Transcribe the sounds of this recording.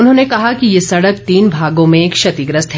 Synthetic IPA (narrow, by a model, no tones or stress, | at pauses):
ʊnɦõːnekɐɦakijesɐɽək̚t̪iːnbʱaːɡõmẽeːkʃɐt̪iɡɾəst̪ʰɦ